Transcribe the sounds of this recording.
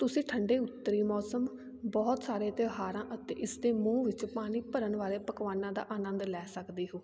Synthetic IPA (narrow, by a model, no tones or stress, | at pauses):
t̪ʊsĩːʈʰəɳɖeːʊt̪ːəɾiːmɔːsəm | bɔːt̪saːɾeːt̪ɪɦaːɾãːʔət̪ḛːʔɪsd̪eːmũːʋɪt͡ʃpaːɽ̃iːpəɾənʋaːɾeːpəkʋaːnãːd̪a̰ːʔaːnənd̪lɛːsəkd̪iːɦoː